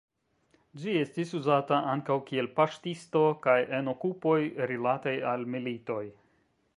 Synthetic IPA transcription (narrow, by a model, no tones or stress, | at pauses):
d͡ʒie̞stisuzataʔaŋkawkie̞lpaʃtisto̞kaje̞no̞kupo̞jɾilatajalmilito̞j